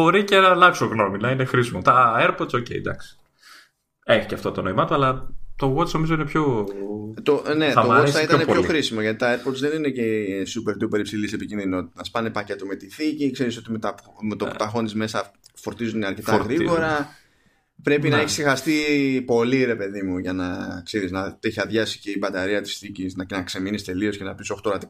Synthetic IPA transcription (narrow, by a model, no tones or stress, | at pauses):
bo̞ɾicenɐlɐksoɣno̞minɐinexɾisimot̪ɐeɾpoɾt̪so̞cḛid̪ɐksi̥ | eçi̥ceɐft̪ot̪ono̞imɐt̪oɐlɐt̪oɣot͡sno̞mizoinepço | t̪one̞t̪oot͡ssθɐiɐnepçoxɾisimoʝɐt̪it̪ɐe̞ɾpot̪sðe̞ninecesupe̞ɾt̪upe̞ɾipsilise̞picinðino̞t̪i̥t̪ɐnɐspɐnepɐce̞t̪ome̞t̪iθicikse̞ɾis̬o̞t̪imet̪ɐpmet̪ot̪ɐxo̞nizme̞sɐfo̞ɾt̪izund̪eɐɾce̞t̪ɐɣɾiɣo̞ɾɐ | pɾe̞pinɐeçisixɐst̪ipo̞liɾe̞pe̞ðimuʝɐnɐkse̞ɾiznɐt̪eçiɐðʝɐsi̥ce̞ibɐt̪ɐɾiɐt̪i̥sθiciznɐnɐkse̞minist̪e̞lio̞sce̞nɐpiso̞xt̪oɾɐt̪i